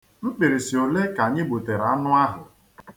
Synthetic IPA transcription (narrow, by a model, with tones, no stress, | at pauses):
n̩˦k͡pe˨ɾe˨si˨o˨le˦ka˨ɲɪ˦ɡ͡bo˨te˨ɾa˦nʊ˦a˦ɦʊ˨